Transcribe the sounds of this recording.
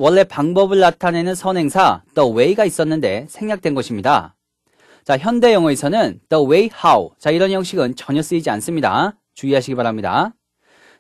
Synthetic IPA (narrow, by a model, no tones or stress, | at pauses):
wʌɭːe̞paŋbʌbɯɭːatʰane̞nɯnsʰʌnɦe̞ŋsʰad̥ʌwe̞iɡais͈ʌnːɯnde̞sʰe̞ŋːɲak̚t͈we̞nɡʌɕʰimɲida̰ | t͡ɕaçjʌnde̞jʌŋʌesʰʌnɯnd̥ʌwe̞ihawt͡ɕaiɾʌnjʌŋɕ͈iɡɯnt͡ɕʌɲʌs͈ɯid͡ʑians͈ɯmɲida̰ | t͡ɕuiɦaɕʰiɡibaɾamɲida̰